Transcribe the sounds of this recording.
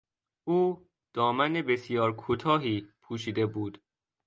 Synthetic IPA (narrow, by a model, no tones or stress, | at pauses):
uː | d̪̥ɒːmænebe̞sjɒːɾkʰut̪ʰɒːɦiːpʰuːʃiːd̪e̞buːd̪̥